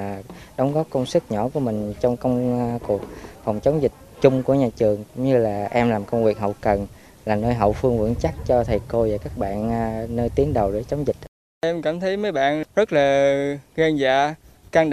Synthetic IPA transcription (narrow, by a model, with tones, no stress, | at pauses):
ɗə˨˦wŋ͡mɣɔ˦˥p̚kə˧wŋ͡msɨ˦˥k̚ɲɔ̰˧˩ku˧˩əmï˨˩ŋ̟t͡ɕɔ˧wŋ͡mkə˧wŋ͡mku˨˩ək̚fa˨˩wŋ͡mt͡ɕə˨˦wŋ͡mzï˨˩k̟̚t͡ɕʊ˧ŋ͡mku˧˩əɲaː˨˩t͡ɕɨ˨˩əŋkʊ̰˧˥ŋ͡mɲɨ˧laː˨˩ʔɛ˧mlaː˨˩mkə˧wŋ͡mvwi˨˩ək̚ɦə̰˧˨wkə˨˩n | laː˨˩nəː˧jɦə̰˧˨wfɨ˧əŋvɨ̰˧˥ŋt͡ɕa˦˥k̚t͡ɕɔ˧t̪ʰə˨˩jko˧vaː˨˩kaː˦˥k̚ɓa̰ː˧˨nː˧nəː˧jt̪i˨˦əŋɗə˨˩wɗe˧˩t͡ɕə˨˦wŋ͡mzï˨˩t̚ | ʔɛ˧mkaː˧˩mt̪ʰə˨˦jmə˨˦jɓa̰ː˧˨nzə˦˥t̚laː˨˩ɣa˧nzaː˧˨ka˧ŋɗ